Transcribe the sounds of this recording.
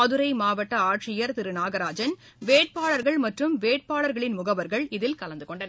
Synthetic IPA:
ɐðɯɾɐɪmaːʋɐʈːɐaːʈʂɪjɐɾt̪ɪɾɯnaːɣɐɾaːd͡ʒɐn | ʋeːʈ̚paːɭɐɾɣɐɭmɐʈrɯmʋeːʈ̚paːɭɐɾɣɐɭɪnmʊɣɐʋɐɾɣɐɭɪðɪlkɐlɐnd̪ɯkɔɳɖɐnɐ

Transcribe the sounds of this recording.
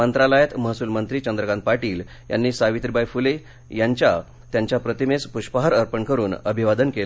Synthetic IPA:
mənt̪ɾaləjat̪məɦsuːlmənt̪ɾiːt͡ɕənd̪ɾəkanpaʈiːl | ja̰nːiːsaʋit̪ɾibajfule | jaɲt͡ɕja | t̪jaɲt͡ɕjapɾət̪imespuɕpəɦaɾəɾpəɳkəɾuːnəbʱiʋad̪ənkel

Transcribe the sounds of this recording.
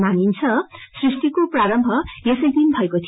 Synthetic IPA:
manint͡sʰʌsrisʈikopraɾʌmbʱʌjesʌjd̪inbʱʌekot̪ʰ

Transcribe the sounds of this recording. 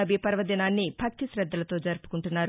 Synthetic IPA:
ɐbipɐɾʋɐd̪inaːnːibʱɐk̚t̪isɾɐd̪ːɐlɐt̪o̞ːd͡ʒɐɾpu̥kuɳʈunːaːɾu

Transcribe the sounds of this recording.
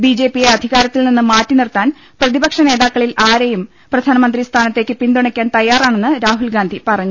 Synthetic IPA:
bid͡ʑe̞ːpːijeɐd̪ʱiɣaːɾɐt̪ːilninːɨmaːtːinirt̪aːn | prɐðibɐkʂɐne̞ːðaːkːɐɭilaːɾejum | prɐd̪ʱaːnɐmɐnd̪rist̪ʰaːnɐt̪ːe̞ːkːɨpind̪uɳɐkʲːaːnt̪ɐjːaːraːɳe̞nːɨɾaːɦulɡaːnd̪ʱipɐrɐɲːu

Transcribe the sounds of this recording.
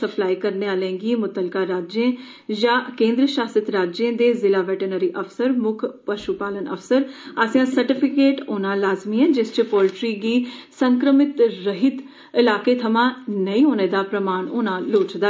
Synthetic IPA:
əplaːikəɾneːaːlẽːɡimʊt̪əlkaːɾaːd͡ʒẽː | d͡ʒãːkẽːnd̪ɾəʃaːsət̪ɾaːd͡ʒẽːd̪eːzɪlaːʋɛːʈənəɾiːʔəfʰsəɾmʊkʰpəʃupaːlənə̰fsəɾaːsjãːsəɾʈɪpʰɪkeːʈoːnãːlaːzmiːɛ̃ːd͡ʒɪst͡ʃpoːlʈɾiːɡiːsəŋkɾəmɪt̪ɾəɦɪt̪ | ɪlaːkeːt̪ʰəmãːnəĩːɦoːneːd̪aːpɾəmaːɳoːnãːloːt͡ʃd̪a

